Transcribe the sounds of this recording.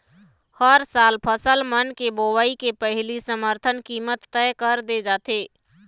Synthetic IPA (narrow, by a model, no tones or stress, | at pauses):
həɾsaːlpʰəsəlmənkeboʋaːikepəɦlisəməɾt̪ʰənkiːmət̪ːɛkəɾd̪ed͡ʒaːt̪eː